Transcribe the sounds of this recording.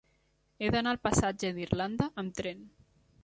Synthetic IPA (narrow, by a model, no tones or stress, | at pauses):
ed̪analpasad͡ʒeðirland̪aːmt̪ɾen